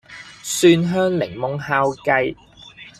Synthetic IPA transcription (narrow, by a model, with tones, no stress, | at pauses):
syː˧nɦœː˥ŋlɪ̰˨˩ŋmʊ˨˧ŋhaː˧˥wkɐ˧j